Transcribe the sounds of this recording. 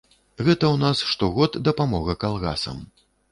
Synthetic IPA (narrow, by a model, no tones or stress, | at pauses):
ɣɛt̪ɐwnasʂt̪ɔɣɔt̪d̪ɐpamɔɣɐkalˠɣa̰sɐ̰m